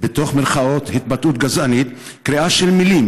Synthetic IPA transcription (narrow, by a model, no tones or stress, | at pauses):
bet̪o̞χmelχao̞t̪hit̪̚batut̪ɡazʔanit̪ | kʁiaʃelmilim